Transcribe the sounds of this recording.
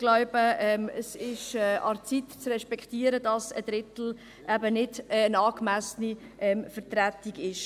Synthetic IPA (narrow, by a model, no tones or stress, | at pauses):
ɡ̥lɔʊbəɛməsɪʃɛʔɑ̰ɾt͡sit̪t͡srɛʃpɛkt̪iːəɾədɑsəd̥̪ɾɪtl̩ | ʔæbənɪdnɑːkmæsniʔɛmfəɾtɾæt̪iɡɪʃ